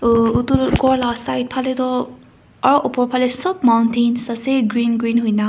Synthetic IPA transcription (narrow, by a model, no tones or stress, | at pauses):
utuɡɔɹlasajt̚pʰalet̪ɔ | aɹɔʔɔpɔɹpʰalesɔb̚mawntʰensaseɡɹinɡɾinɦujna